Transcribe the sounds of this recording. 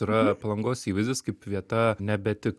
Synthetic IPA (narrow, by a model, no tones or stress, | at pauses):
iɾɐpɐlˠɐŋɡoːsiːʋɐɪzʲd̪ʲeːskɐɪpʋʲiɛt̪ɐnʲɛbʲɛt̪ʲɪk